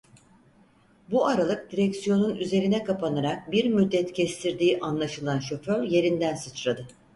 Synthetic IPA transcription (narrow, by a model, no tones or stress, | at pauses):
buaɾalˠɯk̚d̪iɾɛcsijo̞nunyze̞ɾinɛkapʰanaɾak̚biɾmyd̪ːɛt̪cʰɛst̪ʰiɾd̪iːʔanlˠaʃɯlˠanʃo̞fø̞ɾje̞ɾind̪ænsɯt͡ʃɾad̪ɯ